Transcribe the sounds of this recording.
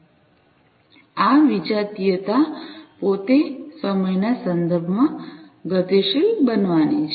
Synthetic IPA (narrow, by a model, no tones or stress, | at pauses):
aʋid͡ʒat̪ijət̪apot̪esəməjnasənd̪əɾbʱəmã | ɡət̪eʃilbənʋanit͡ʃʰ